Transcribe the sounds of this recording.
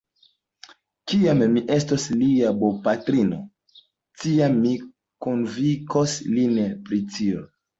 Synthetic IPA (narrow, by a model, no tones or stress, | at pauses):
kiamːiʔe̞stosliabopatɾino̰ | tiamːi | konvikoslinpɾitio